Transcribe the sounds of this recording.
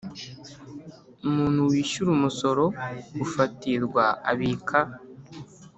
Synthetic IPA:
umuːn̥huwiːʃuɾumuso̞ɾo̞ufatiɾɡwaa̰βiːkʰa

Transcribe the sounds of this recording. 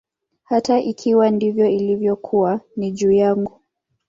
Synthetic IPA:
hataʔikʰiwandivjɔilivjɔkʰuwaniʄuːjaŋɡu

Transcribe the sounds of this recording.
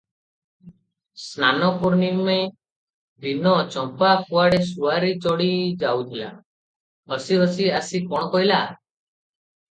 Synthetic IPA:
snanɔpuɾnikmaj | b̪ʱinɔt͡ʃɔmpapuaɽesuaɾit͡ʃɔɽid͡ʒawt̪ʰila̰ | ɦɔsiɦɔsiasikɔɽ̃ɔkɔɦila

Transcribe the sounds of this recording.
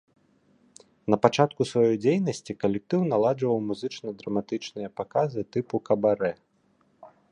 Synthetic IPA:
nɐpat͡ʂat̪kusvajɔjd͡zʲejnɐsʲt͡sʲikɐlʲɛk̚t̪ɨwnalˠad͡ʐvɐwmuzɨt͡ʂnɐd̪ɾɐmat̪ɨt͡ʂnɨjɐpakazɨt̪ɨpukɐbaɾɛ

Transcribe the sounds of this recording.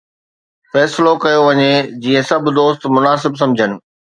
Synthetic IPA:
fɛːsɪlokɐjoʋɐɲed͡ʑiːə̃sɐb̆ʱd̪oːst̪mʊnaːsɪbs̬ɐ̃md͡ʑʱənɪ̆

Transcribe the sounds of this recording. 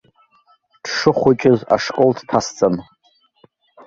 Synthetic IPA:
d̥ʂɨχʷʊt͡ʃʼɪza̰ʂkʼoldʰtʰast͡sʼan

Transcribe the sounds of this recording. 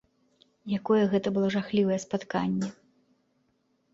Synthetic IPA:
jakɔjɛɣɛt̪ɐbɨlˠɔʐaxlʲivɐjɛspat̪kanʲːɛ

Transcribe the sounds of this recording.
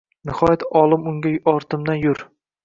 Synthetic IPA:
nɪhɒjat̪ʰɒlˠɪmʊŋɡʲaɒɾt̪ʰɪmd̪anjʊɾ

